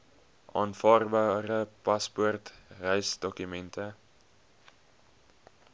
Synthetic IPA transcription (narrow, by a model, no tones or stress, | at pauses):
ʔɑːnfɑːrbɑːɾəpɐspɔrtrɛjsdɔkymɛntʰə